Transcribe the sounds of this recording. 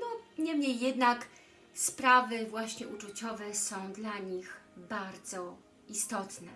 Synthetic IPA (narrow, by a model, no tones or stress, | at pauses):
d̪ɔɲɛmɲejːɛd̪nak | spɾavɘvwaɕɲɛʔut͡ʂut͡ɕɔvɛsɔ̃w̃d̪laɲixbaɾd̪zɔ | ist̪ɔt̪nɛ